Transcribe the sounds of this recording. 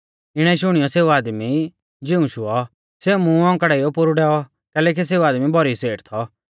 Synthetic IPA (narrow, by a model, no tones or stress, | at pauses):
ɪɽ̃ɛiʃʊɽ̃ijɔseːuaːd̪mi | d͡ʒɪũʃʊɔ | seumũɔ̃ŋkaɽɛijɔpʊɾuɖɛːɔ | kɛːlɛːk̬is̬eːuaːd̪mibʱɔɾiseːʈt̪ʰɔ